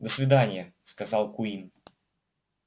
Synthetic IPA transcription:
d̪əsvʲɪd̪anʲɪjəskɐzɑlˠkʊin

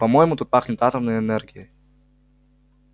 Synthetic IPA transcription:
pɐmojɪmut̪ut̪̚paxnʲɪt̪at̪ɐmnɨjəɛnɛrɡʲɪə

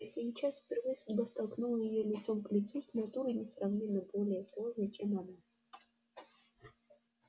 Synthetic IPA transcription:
fsʲejt͡ɕasfʲpʲɪrvɨjəsʊdʲbast̪ɐlˠknulˠəjɪjolʲɪt̪so̞mklʲɪt̪susnat̪uɾɨnʲɪsrɐvnʲimːəbo̞lʲɪjəslˠo̞ʐnəjt͡ɕemana

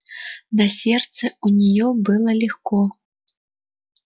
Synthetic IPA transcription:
nɐsʲɛrt̪sɐunʲajɔbɨlˠɐlʲixkɔ

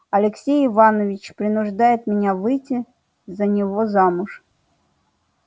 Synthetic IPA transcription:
ɐlʲɪksʲejɪvanəvʲɪt͡ɕpɾʲɪnʊʐd̪ajɪt̪mʲɪnʲavɨjtʲɪ | zənʲɪvozamʊʂ

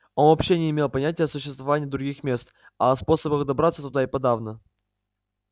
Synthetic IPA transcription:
o̞nvɐpɕːenʲɪɪmʲe̞lˠpɐnʲætʲɪjəsʊɕːɪst̪vɐvanʲɪjəd̪ɾʊɡʲixmʲe̞st̪ | ɐːspo̞səbəxd̪ɐbɾat̪sət̪ʊd̪aɪpɐd̪avnə

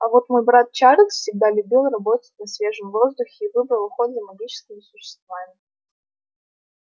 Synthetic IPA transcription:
ɐvo̞t̪mo̞jbɾat̪̚t͡ɕaɾʲət̪sfsʲɪɡ̚d̪alʲʊbʲilˠrɐbo̞t̪ət̚ʲnɐsvʲe̞ʐəmvo̞zd̪ʊxʲɪːvɨbɾəlˠʊxo̞t̪zəmɐɡʲit͡ɕɪ̥skʲɪmʲɪsʊɕːɪ̥st̪vamʲɪ

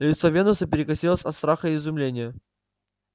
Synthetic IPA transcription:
lʲɪt̪sovʲe̞nʊsəp̬ʲɪɾʲɪkɐsʲilˠəsʲɐt̪st̪ɾaxəɪzʊmlʲenʲɪjə

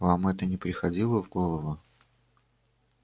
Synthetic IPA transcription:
vamɛt̪ənʲɪpɾʲɪxɐdʲilˠəvɡolˠəvʊ

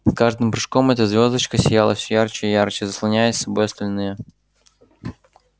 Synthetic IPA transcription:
skaʐd̪ɨmpɾɨʂko̞mɛt̪əzvʲo̞zd̪ət͡ɕkəsʲɪjalˠəfsʲɵjart͡ɕɪijart͡ɕɪzəslˠɐnʲæjɪsʲsɐbojɐst̪ɐlʲnɨjə

